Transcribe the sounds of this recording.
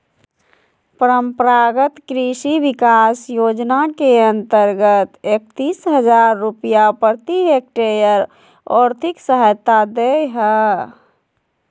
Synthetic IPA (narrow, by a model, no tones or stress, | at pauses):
pəɾəmpəɾaɡət̪kɾiʃiʋikasjoːd͡ʒnakeə̃nt̪əɾɡət̪ek̚t̪iːsɦəd͡ʒaɾːupijapəɾt̪iɦek̚ʈejəɾ | ɔːɾt̪ʰiksəɦəjt̪ːad̪eɦə